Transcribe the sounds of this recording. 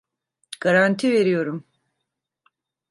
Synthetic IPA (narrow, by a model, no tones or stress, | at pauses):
ɡ̥aɾant̪ʰive̞ɾijo̞ɾum